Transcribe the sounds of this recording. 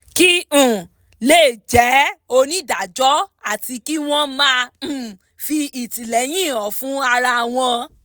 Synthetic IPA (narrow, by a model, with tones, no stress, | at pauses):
ki˦ũ˦˨ | leː˦˨d͡ʒɛ˨˦o˧nĩ˦da˨d͡ʒɔ˦a˦˨ti˧ki˦w̃ɔ̃˦mã˦˨ | fi˧i˨ti˨lɛ˨˦j̃ĩ˦˨ɔ̃˨fũ˦a˧ɾa˧˨w̃ɔ̃˧